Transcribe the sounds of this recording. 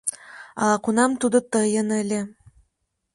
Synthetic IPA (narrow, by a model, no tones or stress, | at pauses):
ɑɑqunɑmt̪ud̪ɤ̆t̪ɤjɤ̆nɘ̆lʲĕ